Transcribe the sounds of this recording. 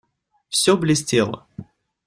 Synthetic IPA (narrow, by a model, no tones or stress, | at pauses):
fsʲoblʲɪsʲtʲelˠə̰